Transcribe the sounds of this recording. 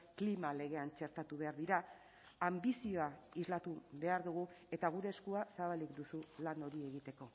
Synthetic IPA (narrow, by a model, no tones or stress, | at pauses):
klimale̞ɣ̞e̞ant͡ʃe̞ɾt̪at̪uβe̞aɾðiɾa | ambisio̞aizlat̪uβe̞aɾðuɣ̞ue̞t̪aɣ̞uɾe̞ːskuasaβalikd̪usulano̞ɾie̞ɣ̞it̪e̞ko̞